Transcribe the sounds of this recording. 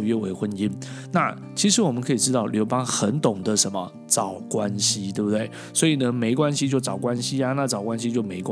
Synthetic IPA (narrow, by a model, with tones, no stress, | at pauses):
ɥɛ˥˧we˧˥ɪxwə˧˥ni˦˥n | na̰˥˨˩ | t͡ɕʰi˧˥ʂɻ̩˧˥wɔ˨mə˦kʰɤ˧˥i˨˩ʈ͡ʂɻ̩˥t̪ɑ˥˩ʊljo˧˥ʊpɑ˥ŋxə˧˦nt̪ʊ˨˩ŋd̪ə˦ʂə˧˦nmə̰˨ | ʈ͡ʂɑ˨˩ʊkwa˦nɕi˦t̪we˥˩bu˩t̪we˥˩ɪ | swɔ˧˥i˨˩nə˦me˧˥ɪkwa˥˦nɕi˧˦t͡ɕjo˥˩ʊt͡sɑ˨˩ʊkwa˦˥nɕi˦a˧na˥˨˩t͡sɑ˨˩ʊkwa˦nɕ̬i˧˦t͡ɕjo˥˩ʊme˧˥ɪka˥